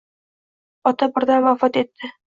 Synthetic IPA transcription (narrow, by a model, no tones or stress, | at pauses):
ɒt̪abɪ̆ɾd̪anvafɒt̪et̪ːɪ